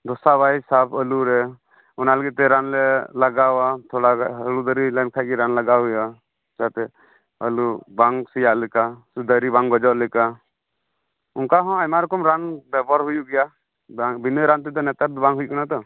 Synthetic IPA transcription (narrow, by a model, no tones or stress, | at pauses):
d̪ɔsabajsapʰəluɾɛ | ɔnaləɡit̪̚t̪ɛɾanlɛlaɡawat̪ʰɔɽaɦəlud̪əɾilankʰaj̚ɡiɾanlaɡaɦuja | kat̪ɛ | ə̰lubaŋsijaʔlɛkasud̪əɾibaŋɡɔd͡ʒɔʔlɛka | unkaɦɔ̃ajmaɾɔkɔmɾanbɛbɔɾɦujuʔɡɛja | aŋbinəɾant̪ɛd̪ɔnɛt̪aɾd̪ɔbaŋɦujkanat̪ɔ